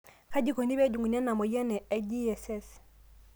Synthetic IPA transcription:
ka˦d͡ʒi˦ko˨ni˦βɛ˦d͡ʒu˨ŋɡu˨n˦ɛ˦na˨mɔ˨jɛ˦nɛ˨ɛ˦d͡ʒi˦ɛ˨sɛ˦s

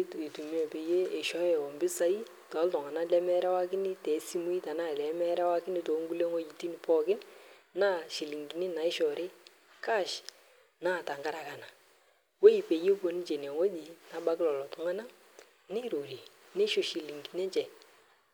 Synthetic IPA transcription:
te˨tu˨m˦ɛ˨pe˨je˦e˨ʃɔ˦jɛ˨ɔ˨mbɪ˦sa˦i˦ | tɔ˨˦ltɔ˨ŋa˨na˦lɛ˨˦mɛ˦ɾɛ˦wa˦kɪ˦nɪ˦tɛ˨˦si˦mu˦i˦ta˨na˦˨lɛ˨˦mɛ˦ɾɛ˦wa˦kɪ˦nɪ˦to˨˦ŋɡu˦le˦ŋɔ˦d͡ʒi˨ti˦ni˨pɔ˦kɪ˦n | na˦ʃi˨li˨ŋɡi˨ni˦na˨˦ɪ˦ʃɔ˨ɾʔɪ˦ | ka˦˨ʃ | naː˦˨ta˨ŋɡa˦ɾa˨ka˨na˨ | we˦i˨pe˨je˦po˨ni˦t͡ʃe˨n˨ɛ˨ŋo˦d͡ʒi˨na˨˦ɓa˦kɪ˦lɔ˨lɔ˨tɔ˨ŋa˦na˦ | ne˦ɾo˨ɾi˨ | ne˦ʃo˨ʃi˨li˨ŋɡi˨ne˦t͡ʃɛ˨

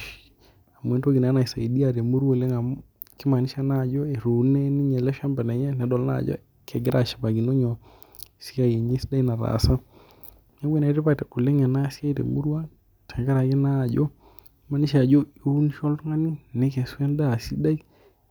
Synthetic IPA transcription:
a˨m˨e˨ntwo˦ɡi˨na˦na˨i˨sa˨i˨di˦a˨ɾe˨mu˦ɾwo˦˨le˦ŋa˨ | ki˦ma˨ni˦ʃa˦na˦˨d͡ʒo˦e˨ɾu˨nɛ˦ni˦ɲɛ˨lɛ˦ʃa˦mba˨nɛ˨ɲɛ˦nɛ˨˦dɔ˨lna̰˦˨d͡ʒɔ̰˦ | kʰɛ˨ɡɪ˦ɾʔa˨ʃḁ˨pa˨ɡi˨no˦ɲɔ˨ | si˦ka˦˨je˨ɲi˦sda˦i˦na˨ɾa̰˨sa˦ | na˦we˦na˨i˦te˦pa˦tɛ˨ku˨le˦ŋɛ˨na˦si˦a˦i˦tḛ˨mu˦ɾwa˦ | tɛ˨ŋɡa˦ɾa˨ɡɪ˦na˦˨d͡ʒɔ˦ | ma˨ni˦ʃa˨d͡ʒo˦u˦n˦ʃɔ˦ltu˦ŋa˦ni˦nɛ˦kɛ˨swɛ˦nda˦˨si˦da˦i˦

